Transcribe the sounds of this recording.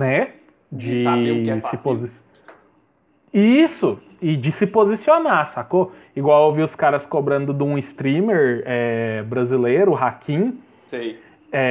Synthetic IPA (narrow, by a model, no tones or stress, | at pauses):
nɛ | d͡ʒɪesɪpozi | isʊ | ɪd͡ʒɪsɪpozisionasako | iɡwawewviʊskaɾɐskobɾɐ̃nd̪ʊd̪ũɪst̪ɾĩmeɾɛbɾazilejɾʊɦakʰĩ | sĩ | ɛ